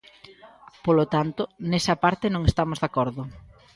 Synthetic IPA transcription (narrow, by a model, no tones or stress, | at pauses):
polot̪ant̪ʊnesɐpaɾt̪ɪnõŋest̪amozðakɔɾðʊ